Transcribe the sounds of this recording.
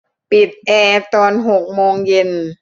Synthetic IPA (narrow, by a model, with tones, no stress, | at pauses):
pi˨˩t̪̚ʔɛː˧˩t̪ɔː˧nɦo˨˩k̚moː˧ŋje˧n